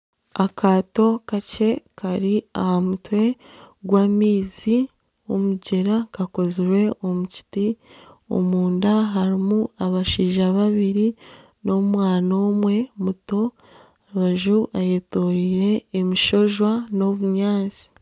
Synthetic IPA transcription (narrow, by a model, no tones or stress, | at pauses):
akaːto̞kace̞kʰaɾia̰hamutwe̞ɡwaːmiːzi | womuɟeɾakako̞ziɾwe̞o̞muci̥tio̰muːndaɦaɾimuaβaʃiːʒaβaβiɾi | no̞mwaːnomwe̞muto̞ | aɾuβaʒuʔajeːtoɾiɾe̞ːmiʃo̞ʒwano̞βuɲaːzi̥